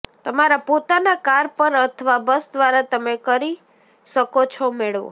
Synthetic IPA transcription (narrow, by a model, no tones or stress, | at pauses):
t̪əmaɾapot̪anakaɾpəɾət̪ʰəʋabəsd̪ʋaɾat̪əmekəɾi | ʃəkot͡ʃʰɔmeɭʋo̰